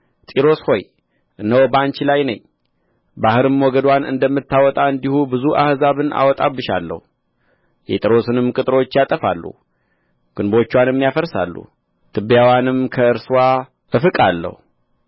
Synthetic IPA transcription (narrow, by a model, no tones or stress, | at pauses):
t̪ʼiɾo̞sho̞j | ʔɨnːəwobant͡ʃilajnəɲː | bahɨɾɨmːwɔɡəd̪wanɨ̰nd̪əmːɨt̪ːawɔt̪ʼaɨnd̪ihubɨzuʔa̰hzaβɨnʔa̰wɔt̪ʼa̰βːɨʃa̰lːə̰hu | jɛ̰t̪ʼɾo̞sɨnɨmkʼɨt̪ʼɨɾo̞t͡ʃːjat̪ʼəfa̰lːṵ | ɡ̥ɨnbo̞t͡ʃːwanjɛmːijafəɾsa̰lːṵ | t̪ʰɨbjawanɨmkʰəɨɾswa | ɨfɨkʼalːə̰hu